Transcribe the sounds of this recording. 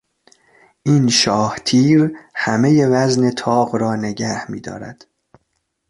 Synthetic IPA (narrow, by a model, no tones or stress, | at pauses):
ʔiːnʃɒːht̪ʰiːɾhæme̞je̞væzne̞t̪ʰɒːɣɾɒːne̞ɟæhmḭːd̪ɒ̰ːɾæ̰d̪̥